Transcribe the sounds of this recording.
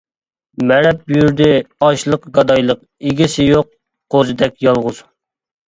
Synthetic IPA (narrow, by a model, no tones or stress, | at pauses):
mɛɾɛp̚jyɾd̪ɪɑʃlˠəqɡɑd̪ɑjlˠəq | eɡʲisɪjoq̚ːʰ | ozɨd̪ɛk̚ʲjɑlˠʁʊz̥